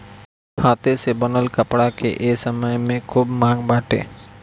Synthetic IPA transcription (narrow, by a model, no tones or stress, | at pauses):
hat̪esebənəlkəpɽakeʔesəməjmẽkʰubmaɡbaʈḛ